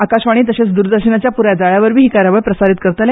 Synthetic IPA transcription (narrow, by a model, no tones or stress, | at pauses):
akaɕʋaɽ̃iːt̪əɕet͡sd̪uɾd̪əɾɕənat͡ɕjapuɾjad͡zaɭjaʋəɾʋiːɦːkaɾjaʋəɭpɾəsaɾit̪̚kəɾt̪le